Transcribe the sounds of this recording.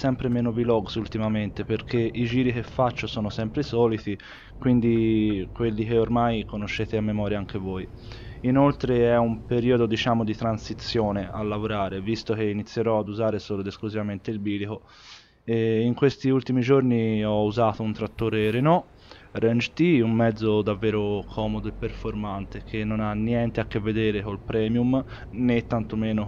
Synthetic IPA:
sɛmpɾemɛːnobilɔɡsult̪imament̪epeɾkʰeʔid͡ʒiːɾikefːat͡ʃːosɔːnosɛmpɾesɔːlit̪i | kwind̪ikwelːikeormajkonoʃːeːt̪eamːemɔːɾjaaŋk̟evoj | inolt̪ɾeɛumpeɾiːod̪od̪it͡ʃaːmod̪it̪ɾansit̪sːjoːnea̰lːavoɾaːɾevist̪ok̟einit̪sːjeɾɔad̪uzaːɾesoːlod̪eskluzivament̪eilbiːliko | ɛiŋkwest̪iult̪imid͡ʒorniɔuzaːt̪ount̪ɾat̪ːoːɾeɾenɔ | rɛnd͡ʒt̪iumːɛd̪zːod̪avːɛːɾokʰɔːmod̪oepːerfoɾmant̪ek̟ʰenːonanːjɛnt̪eakːevːed̪eːɾekolpɾɛːmjum | net̪ːant̪omeːno

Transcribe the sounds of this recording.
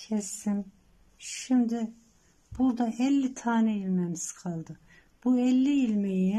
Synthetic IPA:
cʰɛsim | ʃimd̪i | b̥uɾd̪aʔɛlʲːit̪ʰaːnɛilʲmɛmiz̥kʰalˠd̪ɯ | b̥uɛlʲːiilʲmeji

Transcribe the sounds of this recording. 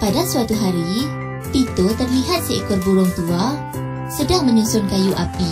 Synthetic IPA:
padasuat̪uɦaɾi | t̪it̪ot̪ərliɦat̪̚səʔkʊrbuɾʊŋt̪ua | sədaŋmə̃ɲusʊnkajuʔapi

